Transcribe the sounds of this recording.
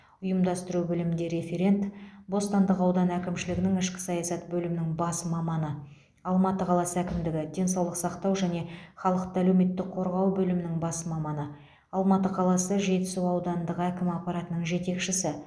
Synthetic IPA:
ʊjəmd̪ɑst̪əɾubɪlɪmɪnd̪e̞ɾe̞fe̞ɾʲe̞nt̪bo̞st̪ɑnd̪əqɑwd̪ɑnækʲɪmʃɪlɪɡʲɪnɪŋɪʃkʲɪ̥sɑjɑsɑt̪bɵlɪmɪnɪŋbɑsmɑmɑnə | ɑlˠmɑt̪əqʰɑlˠɑsəækʲɪmd̪ɪɡʲɪd̪e̞nsɑwlˠəqsɑqt̪ɑwʒæne̞χɑlˠəqt̪əælewme̞t̪ːɪkqʰo̞ɾʁɑwbɵlɪmɪnɪŋbɑsəmɑmɑnə | ɑlˠmɑt̪əqʰɑlˠɑsəʒe̞t̪ɪ̥suɑwd̪ɑnnd̪əʁækʲɪmɑqpɑɾɑt̪ənəɴʒe̞t̪e̞kʃɪsɪ

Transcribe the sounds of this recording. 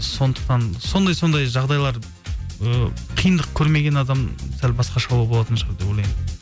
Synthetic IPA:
so̞nd̪ə̥qt̪ɑnso̞nd̪ɑjso̞nd̪ɑjʒɑʁd̪ɑjlˠɑɾ | əqʰijənd̪əq̚kʲʰɵɾme̞ɡʲe̞nɑd̪ɑmsælbɑsqɑʃɑwɑbo̞lˠɑt̪ənʃəʁəɾd̪e̞bwolʲˠɑjmɪ

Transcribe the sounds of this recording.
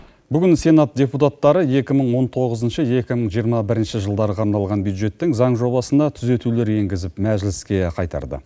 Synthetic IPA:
bʏɡʲɪnse̞nat̪̚dʲe̞put̪at̪ːɑɾəje̞kʲɪməɴwo̞nt̪ʰo̞ʁəzənʃəje̞kʲɪməɴʒijəɾmɑbɪɾɪnʃɪʒəlˠd̪ɑɾəqʰɑɾnɑlˠʁɑnbjud̪ʒe̞t̪ːɪŋzɑɴʒo̞bɑsənd̪ɑt̪ʰʏze̞t̪ule̞ɾje̞ŋɡʲɪzɪpmæʒɪlɪskʲe̞qʰɑjt̪ɑ̰ɾd̪ə̰

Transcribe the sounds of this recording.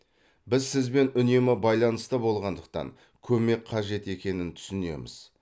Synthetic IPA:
bɪzsɪzbe̞nʏne̞mɪbɑjlˠɑnəst̪əbo̞lˠʁɑnd̪əq̚t̪ɑ̰ŋ | kʲʰɵme̞kqʰɑʒe̞t̪e̞kʲe̞nɪnt̪ʰʏ̥sɪne̞̰mɪ̰z̥

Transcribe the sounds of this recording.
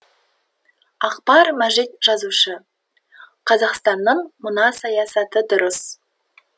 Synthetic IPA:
ɑqpɑɾmæʒɪt̪̚ʒ̥ɑzuʃə | qʰɑzɑqst̪ɑnːəɴmənɑsɑjɑsɑt̪əd̪ʊɾəs

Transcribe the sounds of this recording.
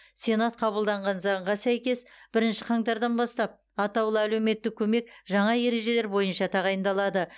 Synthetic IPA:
sʲe̞nat̪qʰɑbəlˠd̪ɑɴʁɑnzɑɴʁɑsæjkʲe̞sb̥ɪɾɪnʃɪqʰɑŋt̪ɑɾd̪ɑnbɑst̪ɑp̚ | ɑt̪ɑwlˠəælewme̞t̪ːɪkʲʰːɵme̞kʒɑɴɑje̞ɾe̞ʒe̞le̞ɾbo̞jənʃɑt̪ʰɑʁɑjənd̪ɑlˠɑd̪ə

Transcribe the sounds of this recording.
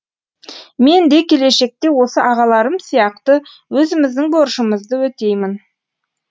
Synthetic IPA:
me̞nd̪e̞kʲʰe̞le̞ʃe̞k̚t̪e̞wo̞səʔɑʁɑlˠɑɾəmsijɑqt̪ə | wɵzɪmɪzd̪ɪŋboɾʃəməzd̪əwɵt̪e̞jmɪn

